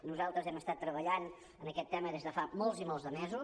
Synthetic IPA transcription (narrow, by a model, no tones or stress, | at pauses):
nuzalˠt̪ɾəzɛməst̪at̪ːɾəβəʎan | ənəkɛt̪ːɛməðezðəfamɔlˠzimɔlˠzðəmɛzu